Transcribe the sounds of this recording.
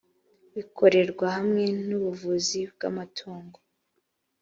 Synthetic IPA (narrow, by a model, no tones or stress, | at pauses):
βikʰo̞ɾe̞ɾɡwahamŋe̞nuβuvuzib̚ɡa̰matʰoːŋɡo